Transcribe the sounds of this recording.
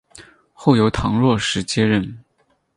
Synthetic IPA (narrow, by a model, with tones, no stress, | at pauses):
xo˥˩ʊjo˧˥ʊt̪ʰɑ˧˥ŋɻwɔ˥˩ʂɻ̩˧˥t͡ɕjɛ˥ɻə˥˩n